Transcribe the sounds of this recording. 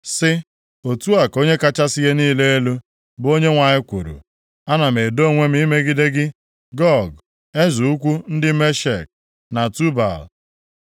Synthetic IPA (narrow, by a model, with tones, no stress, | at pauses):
sɪ˦ | o˨tu˦a˨ko˦ɲe˦ka˦t͡ʃa˦sɪ˦ɣe˦niː˦le˦e˦lu˦ | bo˦ɲe˦ŋʷa˨ɲɪ˦kʷu˨ɾṵ˨ | a˦na˨me˨do˦˨ŋʷe˦m̩˦i˦me˦ɡɪ˦de˦ɡɪ˦ | ɡɔ˦ɡ | e˦zu˨u˦kʷu˦n̩˦dɪ˦me˦ʃe˨k̚ | na˨tu˦ba̰˨l